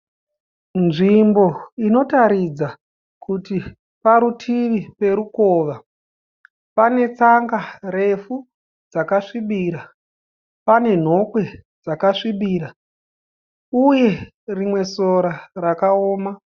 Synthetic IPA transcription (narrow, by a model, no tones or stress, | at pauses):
nʐimbo̞ino̞taɾid͡za | kuti | paɾutʰiʋipe̞ɾukoʋa | pane̞t͡saŋɡare̞fu | d͡zakaʂiɓiːɾa | pane̞n̤o̞kwe̞d͡zakaʂiɓiːɾa | uje̞ | rimwe̞soɾarakaoːma